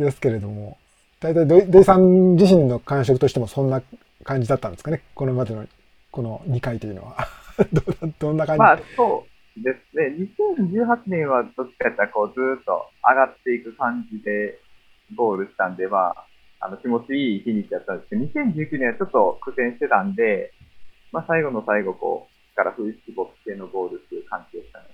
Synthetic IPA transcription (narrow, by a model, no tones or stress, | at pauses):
d̪e̞sɨ̥ke̞ɾe̞d̪o̞mo̞ | d̪̥ait̪aid̪oid̪oisãɲd͡ʑiɕĩnːo̞kãɕ̬o̞kɯ̟t̪o̞ɕi̥t̪emosõnːa | kãɲ̟d͡ʑid̪at̪ːãnd̪esɨ̥kaneko̞nomad̪eno̞ | ko̞no̞ɲ̟ikait̪o̞jɯ̟noβa̰d̪d̪̥õ̞nːakãɲmasoː | d̪e̞sɨne̞ɲisẽ̞ɲ̟d͡ʑɨːɦat͡ɕinẽ̞ɰ̃βad̪̥o̞t͡ɕːi̥kaet̪ːako̞ːd͡zɨːt̪ːo̞̰a̰ɡat̪ːe̞ikɯ̟kãɲ̟d͡ʑid̪e̞ | bo̞ːɾɯ̟ɕi̥t̪ãnd̪e̞βa̰ | a̰no̞kʲimo̞t͡ɕiiːçiɲit͡sijat̪ːãnd̪eskeɲisẽ̞ɲ̟d͡ʑɨːkʲɨːnẽat͡ɕo̞t̪ːo̞kɯ̟sẽ̞ɕi̥t̪e̞t̪ãnd̪e̞ | masaiɡo̞no̞saiɡo̞ko̞̰ː | kaɾa̰ɸɯ̟isɨ̥kʲibo̞kɯ̥se̞ːno̞bo̞ːɾɯ̟t̪ɨɯkãɲ̟d͡ʑieɕi̥t̪ã̰n